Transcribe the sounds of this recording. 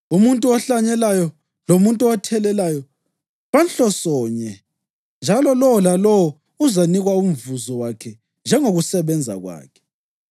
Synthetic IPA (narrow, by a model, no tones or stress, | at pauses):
umuntʼuɔɬaɲɛlajɔ | lomuntʼuɔtʰɛlɛlajɔ | βanɬɔsɔːɲɛ | nd͡ʒʱalɔlɔwɔlalɔwɔ | uzaniɣwaum̩vuzɔwakʰɛ | nd͡ʒʱɛŋoɣusɛβɛnd͡zʱa̰ɣwa̰ːkʰɛ̥